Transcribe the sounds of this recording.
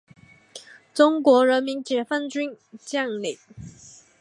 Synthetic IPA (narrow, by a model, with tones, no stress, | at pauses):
ʈ͡ʂʊ˥ŋkwɔ˧˥ɻə˧˥nmi˧˥nt͡ɕjɛ˨˩fa˥˩nt͡ɕy˥n | t͡ɕjɑ˥˩ŋli˨˩˦